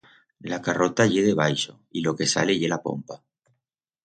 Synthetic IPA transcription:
lakaro̞t̪aʝe̞ðe̞β̞ajʃo̞ilo̞ke̞sa̰le̞ʝe̞lapo̞̰mpa

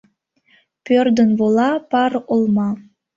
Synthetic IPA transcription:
pʲørd̪ə̆nvolˠɑpɑrolˠmɑ

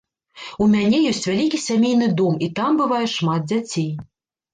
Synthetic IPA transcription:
umʲanʲɛjɔsʲt͡sʲvʲalʲikʲisʲamʲejnɨd̪ɔmit̪ambɨvajɛʂmat̪̚d͡zʲat͡sʲej

